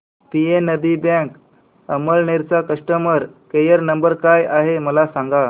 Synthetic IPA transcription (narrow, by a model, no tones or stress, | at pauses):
pienəbibɛ̃ŋk | əməlneɾt͡sakəʂʈəməɾkejəɾnəmbəɾkajaɦeməlasãŋɡa